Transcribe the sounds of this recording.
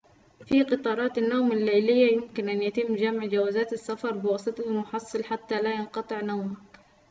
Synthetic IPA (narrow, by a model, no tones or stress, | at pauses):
fiqɨt̪ˤɑːɾˤɑːt̪anːaːmalːajlɪjːajʊmkɪnʔanjat̪ɪmːd͡ʒamʕd͡ʒawaːzaːt̪asːafɑɾˤbɪwɑsˤɨt̪ˤɑlmʊħɑsˤːɑlħat̪ːalajɑnqɑt̪ˤɨʕnawmak